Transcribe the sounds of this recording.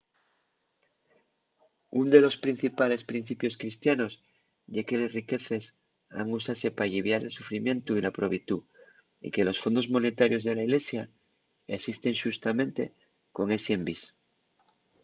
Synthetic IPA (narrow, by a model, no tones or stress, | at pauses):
und̪e̞lo̞spɾin̟θipale̞spɾin̟θipjo̞skɾist̪jano̞s | ʝeke̞lesrike̞θe̞s | a̰ŋusase̞paʎiβjaɾe̞lsufɾimjẽ̞nt̪uilapɾoβit̪u | ḭke̞lo̞sfo̞nd̪o̞zmo̞ne̞t̪aɾjo̞zðe̞laiɣle̞sja | esist̪e̞ŋʃust̪amẽ̞nt̪e̞ | ko̞ŋe̞sembis